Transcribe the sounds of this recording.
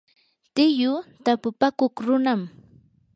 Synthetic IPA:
t̪ɪjʊt̪apʊpakoχɾʊnam

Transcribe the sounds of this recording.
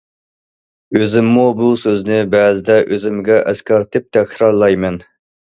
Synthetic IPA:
øzɪmːubusøznɪbɛːzɪd̪ɛʔøzɪmɡʲɛʔɛskʲɑɾt̪ʰɪp̚t̪ʰækʰʲɾɑɾlˠɑjmɛn

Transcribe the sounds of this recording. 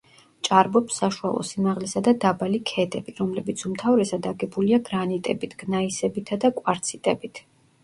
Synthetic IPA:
t͡ʃʼaɾbɔpsːaʃua̰lˠɔ̰simaʁlɛsad̪ad̪abalikʰɛd̪ɛbiɾɔmlɛbit̪sʰumt̪ʰavɾɛsad̪aɡɛbuliaɡɾanit̪ʼɛbit̪ʰɡ̥naisɛbit̪ʰad̪akʼwaɾt̪sʰit̪ʼɛbit̪ʰ

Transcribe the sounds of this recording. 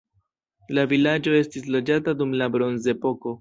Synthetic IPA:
lavilad͡ʒo̞e̞stis̬lo̞d͡ʒatadumlabɾo̞nze̞po̞ko̞

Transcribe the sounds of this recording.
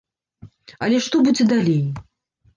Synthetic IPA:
ɐlʲɛʂt̪ɔbud͡zʲɛd̪alʲej

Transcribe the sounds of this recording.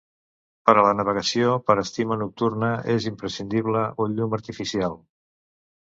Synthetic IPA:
pəɾələnəβ̞əɣəsiopəɾəst̪imənuk̚t̪urnəezimpɾəsind̪iβ̞ləoʎuməɾt̪ifisialˠ

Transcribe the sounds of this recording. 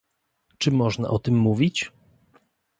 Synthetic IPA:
t͡ʂɘmɔʐna̰ʔɔt̪ɘmːuvʲit͡ɕ

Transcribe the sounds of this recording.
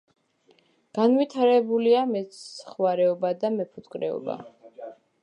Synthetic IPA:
ɡ̥anwit̪ʰaɾɛbuliamɛt̪χwaɾɛɔbad̪amɛpʰut̪ʼkʼɾɛɔ̰ba̰

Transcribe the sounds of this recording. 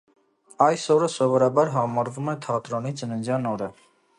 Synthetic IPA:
ɑjsɔɾəsɔvɔɾɑbɑɾɦɑmɑɾvumɛt̪ʰɑt̪ɾɔnid͡zənənzjɑnɔɾə

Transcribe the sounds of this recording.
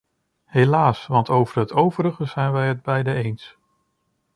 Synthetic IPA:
ɦejlaːsʋɑntowvərɦətʰowvəɾəχəz̥ɛjnʋɛjɦəd̚bɛjdəejns

